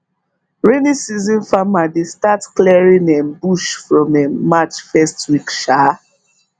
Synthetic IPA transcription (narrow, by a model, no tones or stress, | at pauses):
ɹenisizɔ̃nfamadestatkliɛɹĩŋɛ̃nbuʃfɹɔ̃mɛmat͡ʃfɛstwikʃa